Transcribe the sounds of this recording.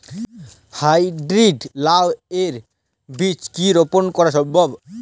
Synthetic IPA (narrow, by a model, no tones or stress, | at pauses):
hajɖɾiɖlaweɾ | bit͡ɕkiɾoponkɔɾaʃɔmbʱɔb